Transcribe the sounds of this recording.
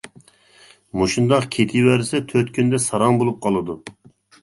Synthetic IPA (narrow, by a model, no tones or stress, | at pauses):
moʃund̪ɑqkʲʰet̪ʰɪwæɾsɛt̪ʰøt̪kʲʰynd̪ɛsɑɾɑŋbolˠup̚qʰɑlˠɨd̪u